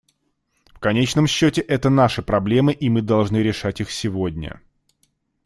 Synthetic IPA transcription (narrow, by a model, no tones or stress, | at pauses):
fkɐnʲet͡ɕnəmɕːotʲɪʔɛt̪ənaʂɨpɾɐblʲe̞mɨʔimɨd̪ɐlˠʐnɨɾʲɪʂatʲixsʲɪvo̞dʲnʲə̰